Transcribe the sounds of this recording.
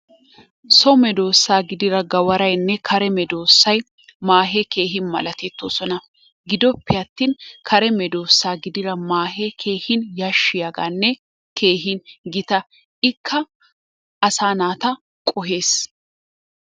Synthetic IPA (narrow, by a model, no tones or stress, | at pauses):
sɔmɛd̪o̞ːsːaːɡɪd̪ɪɾɐɡɐwɐɾɐjnːɛkʰɐɾɛmɛd̪o̞ːsːɐj | maːɦeke̞ːɦɪnmɐ̰lɐt̪ɛt̪ːoːsɔnɐ | ɡɪd̪ɔpːɪɐt̪ːiːnkʰɐɾɛmɛd̪o̞ːsːaːɡɪd̪ɪɾɐmaːɦekʰe̞ːhɪnjɐʃːɪjɐɡa̰ːnːɛ | kʰe̞ːɦɪnɡɪt̪ɐ | ɪkʰːɐ | ʔɐsaːnaːt̪ɐ | kʼɔɦe̞ːs